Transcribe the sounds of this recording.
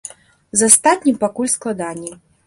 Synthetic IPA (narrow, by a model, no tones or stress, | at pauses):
zast̪at̪ʲnʲimpakulʲsklˠad̪anʲːi